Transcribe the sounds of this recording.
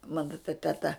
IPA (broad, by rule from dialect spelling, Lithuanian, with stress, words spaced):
ˈmɑːnɐ tɐ tʲɛˈtɐ